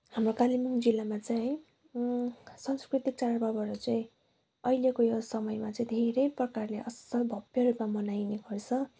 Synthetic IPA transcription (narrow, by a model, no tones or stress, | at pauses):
hamrokalimuŋd͡zilːamat͡saĩ | sʌŋskrit̪ik̚t͡saɾʌbʌbʌɾʌt͡saĩ | ʌilekojosʌmʌjmat͡saĩd̪ʱeɾʌjprʌkarleʔʌsʌbʱʌbjʌɾupmamʌnajneɡʌrt͡sʰʌ